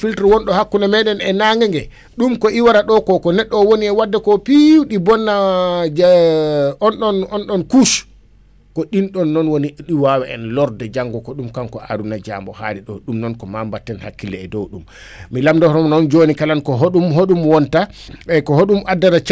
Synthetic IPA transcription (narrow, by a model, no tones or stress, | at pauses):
filtɾwɔnɗɔhakːunamɛɗɛnɛnaŋɡɛŋɡɛ | ɗumkɔʔiwaɾaɗɔkɔkɔnɛɗːɔwoniɛwadːɛkɔpiwɗibɔnːa | ɔnɗɔnɔnɗɔnkus | kɔɗinɗɔnːɔnwoniɗiwawɛɛ̰nlɔɾdɛd͡ʒaŋɡɔkɔɗumkankɔʔa̰ɾunad͡ʒa̰mbɔha̰ɾiɗɔ̰ɗumnɔnkɔmambatːɛnha̰kːilɛ̰ːdɔ̰wɗumː | ilamdɔhɾɔmnɔnd͡ʒonikalankɔɦoɗumɦoɗumwɔntaɛkɔɦoɗumadːaɾat͡ʃ